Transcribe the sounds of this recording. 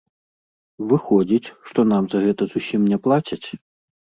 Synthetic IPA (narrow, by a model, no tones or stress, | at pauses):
vɨxɔd͡zʲit͡sʲʂt̪ɔnamzɐɣɛt̪ɐzusʲimnʲɛplˠat͡sʲɐt͡sʲ